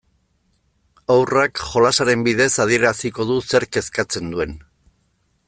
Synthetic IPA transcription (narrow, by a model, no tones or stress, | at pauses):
awrakʝo̞lasaɾe̞mbiðe̞saðie̞ɾasiko̞ðuse̞ɾke̞skat͡se̞nd̪ue̞n